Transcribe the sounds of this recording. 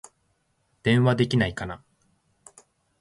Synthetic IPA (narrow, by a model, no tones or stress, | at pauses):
d̪̥ẽ̞ɰ̃βad̪e̞kʲinaikana